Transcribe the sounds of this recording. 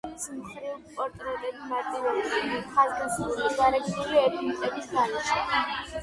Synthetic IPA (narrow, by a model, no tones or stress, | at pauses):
smχɾivpʼɔɾt̪ʼɾɛlɛbmaɾt̪ʼivɛbisχazɡasɾulisɡaɾɛt͡ʃnuliɛt̪ʰmit̪ʼɛbisd̪aniʃɛ